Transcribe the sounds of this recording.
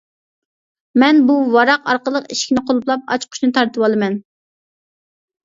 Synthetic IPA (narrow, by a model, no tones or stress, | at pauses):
mɛnbuwɑɾɑqɑ̰ɾqəlˠəqiʃkʲinɪqʰolˠuplˠɑp̚ɑ̰t͡ʃqʰʊ̥ʃnɨt̪ʰɑɾt̪ɨwɑlˠɨmɛn